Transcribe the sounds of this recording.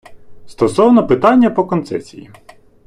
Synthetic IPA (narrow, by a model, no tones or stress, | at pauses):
st̪ɔsɔwnɔpɪt̪ɑnʲːɐpɔkɔnt̪sɛsʲijḭ